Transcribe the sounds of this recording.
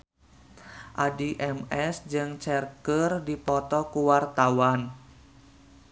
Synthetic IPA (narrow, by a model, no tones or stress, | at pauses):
ʔadiʔɛmɛsd͡ʒɨŋt͡ʃɛrkərdipɔt̪ɔkuwart̪awan